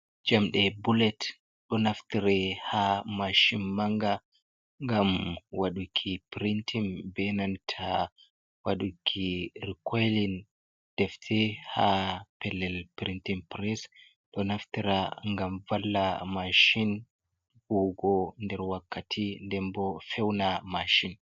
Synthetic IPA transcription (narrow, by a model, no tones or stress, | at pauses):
d͡ʒamɗɛbulɛt | ɗɔnaftiɾɛhamaʃinmaŋɡa | ŋɡamwaɗukʰːipɾintʰimbɛnantʰa | waɗukʰːiɾikʰɔjlin | d̥ɛftʰɛhapɛlːɛlpɾintimpɾɛs | ɗɔnaftiɾaŋɡamvalːamaʃin | huɡɔndɛɾwakːatʰindɛmbɔfɛwnamaʃin